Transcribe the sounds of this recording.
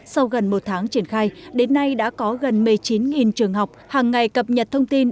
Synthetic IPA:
sa˧wɣə˨˩nmo˨˩t̚t̪ʰaː˨˦ŋt͡ɕi˧˩ənxaː˧jɗe˨˦nːa˧jɗa̰ː˧˥kɔ˨˦ɣə˨˩nmɨ˨˩əjt͡ɕi˨˦nŋi˨˩nt͡ɕɨ˨˩əŋɦa˨˩wk͡p̚haː˨˩ŋːa˨˩jkə˨˩p̚ɲə˨˩t̚t̪ʰə˧wŋ͡mt̪i˧n

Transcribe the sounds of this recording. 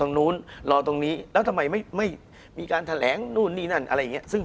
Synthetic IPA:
o˧ŋnuː˦˥nlɔː˧˩t̪o˧ŋniː˦˥lɛː˦˥wt̪ʰa˧mːa˧jma˥˩jma˥˩j | miː˧kaː˧nt̪ʰa˧lɛː˩˦ŋnuː˥˩nːiː˥˩na˥˩nʔa̰˧ɾa˧jːŋi˦˥ɐsɯ˥˩

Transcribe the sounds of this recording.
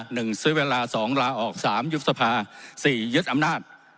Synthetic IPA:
nɯ˨˩ŋsɯː˦˥weː˧laː˧sɔː˩˦ŋɾaː˧ʔɔː˨˩k̚saː˩˦mju˦˥t̪̚sa˧pʰaː˧siː˨˩jɯ˦˥t̪̚ʔa˧mnaː˥˩t̪̚

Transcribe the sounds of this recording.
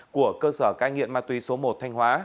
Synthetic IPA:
ku˧˩əkəː˧səː˧˩kaː˧ŋḭ˧˨əmaː˧t̪wi˨˦so˨˦mo˨˩t̚t̪ʰa˧jŋ̟hwaː˨˦

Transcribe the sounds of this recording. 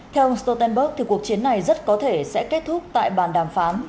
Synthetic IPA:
t̪ʰɛ˧wʔə˧ŋ͡mst̪o˧t̪ɛ˧nɓə˦˥k̚t̪ʰi˨˩ku˨˩ək̚t͡ɕi˨˦ənːa˨˩jzə˦˥t̚kɔ˨˦t̪ʰe˧˩sɛ̰˧˥ke˦˥t̚t̪ʰʊ˦˥k͡p̚t̪a̰ː˧˨jɓaː˨˩nɗaː˨˩mfaː˨˦n

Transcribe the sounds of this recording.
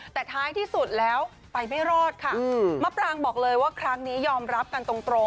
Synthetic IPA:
t̪ɛː˨˩t̪ʰaː˦˥jt̪ʰiː˥˩su˨˩t̪̚lɛː˦˥w | pa˧jma˥˩jɾɔː˥˩t̪̚kʰa˦˥˩ma˦˥p̚ɾaː˧ŋbɔː˨˩k̚lɤː˧jwaː˥˩kʰɾa˦˥ŋniː˦˥jɔː˧mɾa˦˥p̚ka˧nt̪o˧ŋt̪ɾo˧ŋ

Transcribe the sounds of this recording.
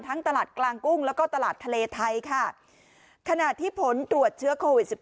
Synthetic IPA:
nt̪ʰa˦˥ŋt̪a˧laː˨˩t̪̚klaː˧ŋku˥˩ŋlɛː˦˥wkɔː˥˩t̪a˧laː˨˩t̪ʰːa˧leː˧t̪ʰa˧jkʰa˥˩ | kʰa˧na˨˩t̪ʰːiː˥˩pʰo˨˩˦nt̪ɾu˨˩ət̪̚t͡ɕʰɯ˦˥ɐkʰoː˧wi˨˩t̪̚si˨˩p̚

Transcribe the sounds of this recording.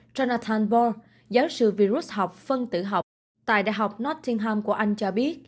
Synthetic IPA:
zɔ˧naː˧t̪ʰaː˧nbɔ˧ | zaː˨˦wsɨ̰˧˨vi˧ɾu˦˥t̚ha˨˩wk͡p̚fə˧nt̪ɨ̰˧˩ɦa˨˩wk͡p̚ | t̪a̰ː˧˨jɗa̰ː˧˨jɦa˨˩wk͡p̚nɔ˦˥t̚t̪ʰi˧ənɦaː˧mku˧˩əʔa˧jŋ̟t͡ɕɔ˧ɓi˦˥ət̚

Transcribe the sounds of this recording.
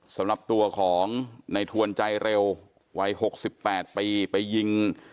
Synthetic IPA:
sa˩˦mɾa˨˩p̚t̪u˧ɐkʰɔː˩˦ŋna˧jt̪ʰu˧ənt͡ɕa˧jɾe˧w | wa˦˥jho˨˩k̚si˨˩pːɛː˨˩t̪̚pa˧jpa˧jːi˧ŋ

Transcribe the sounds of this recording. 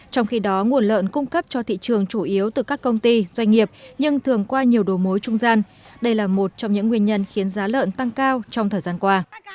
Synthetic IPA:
t͡ɕɔ˧wŋ͡mxi˧ɗɔ˨˦ŋu˨˩ənlə̰ː˧˨nkʊ˧ŋ͡mkə˦˥p̚t͡ɕɔ˧t̪ʰḭ˧˨t͡ɕɨ˨˩əŋt͡ɕu˧˩ʔi˨˦əwt̪ɨ˨˩kaː˦˥kːə˧wŋ͡mt̪i˧z̥wa˧jŋ̟ŋi˨˩əp̚ɲɨ˧ŋt̪ʰɨ˨˩əŋkwaː˧ɲi˨˩əwɗo˨˩mo˨˦jt͡ɕʊ˧ŋ͡mzaː˧n | ɗə˧jlaː˨˩mo˨˩t̚t͡ɕɔ˧wŋ͡mɲɨ̰˧˥ŋːwi˧ənɲə˧nxi˨˦ənzaː˨˦lə̰ː˧˨nt̪a˧ŋkaː˧wt͡ɕɔ˧wŋ͡mt̪ʰəː˨˩jzaː˧nkwaː˧

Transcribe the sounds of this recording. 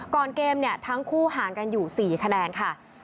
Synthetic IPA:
kɔː˨˩nkeː˧mni˥˩ɐt̪ʰa˦˥ŋkʰuː˥˩ɦaː˩˦ŋka˧njuː˨˩siː˨˩˦kʰa˧nɛː˧nkʰa˥˩

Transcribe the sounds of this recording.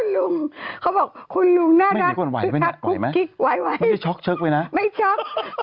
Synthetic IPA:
nlu˧ŋkʰa˦˥wbɔː˨˩k̚kʰu˧nlu˧ŋnaː˥˩˦ɾa˨iː˦˨˧ku˧˩˨nwa̰˨˦˥pa˧a˦˥˦kːu˦jma˦˥jki˦˥k̚wa˨˦jwa˦ja˥˩t͡ɕʰɔ˦˥k̚t͡ɕʰɤ˦˥k̚waː˧jna˦˥ma˥˩jt͡ɕʰɔ˦˥k̚

